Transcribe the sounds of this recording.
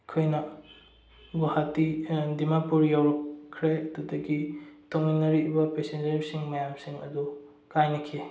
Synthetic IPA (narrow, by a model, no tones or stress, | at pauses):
kʰojnɐ | ɡuhatidimapuɾjawɾɔkʰːɾeɐdudɐɡitʰoŋinːɐɾibɐpesend͡ʒɐɾisiŋmɐjamsiŋɐ̰du | kajnɐkʰi